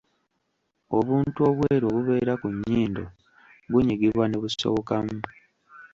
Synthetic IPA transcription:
o̞βuːntuo̞βweːɾo̞βuβe̞ːɾakuɲːiːndo | ɡuɲiɡiβwaneβuso̞̰kamu

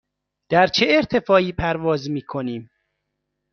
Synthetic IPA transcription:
d̪̥æɾt͡ʃʰeeɾt̪ʰe̞fɒːiːpʰæɾvɒːzmiːkʰo̞niːm

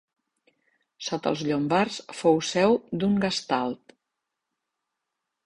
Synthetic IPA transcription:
sot̪ə̰lˠzʎombarsfowsɛwd̪uŋɡəst̪alˠt̪

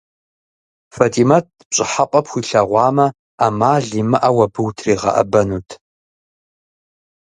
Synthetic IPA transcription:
fɐtʼiːmat̚ʰpɕʼɪħaqʼɐpxʷiːɬɐʁʷɑːmɐ | amaːɮiːmɨʔɐwɐbɨwtʰriːʁɐ̰ʔɐ̰bɐnuːtʰ

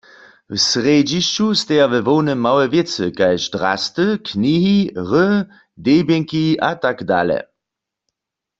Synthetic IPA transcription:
wsʁeːd͡ʒiʃt͡ʃust̪ɛavɛvownəmːawɛvjet͡səkajʃdʁa̰stəkʰniːɦiʁə | deːbjeŋkiʔatakda̰ːlɛ̰

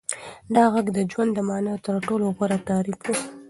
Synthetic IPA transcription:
d̪ɑɣaɡd̪əd͡ʒwand̪ːəmɑnajot̪əɾʈoloɣaɾat̪ɑɾifwu

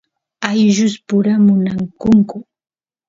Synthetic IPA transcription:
ajʒʊspʊɾamʊnaŋkʊŋkʊ

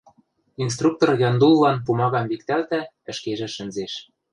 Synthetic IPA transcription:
ins̬t̪ruk̚t̪orjɑnd̪ulˠːɑnpumɑɣɑmβik̚t̪ælt̪æ | ɘ̆ʃkeʒĕʃɘ̆nzeʃ

